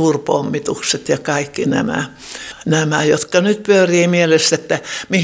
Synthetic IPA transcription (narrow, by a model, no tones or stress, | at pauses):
uːrpo̰mːit̪ukset̪jɑkɑikːinæ̰mæ̰ | næmæjo̰t̪kɑnyt̪̚pyøriːmielest̪et̪ːæmi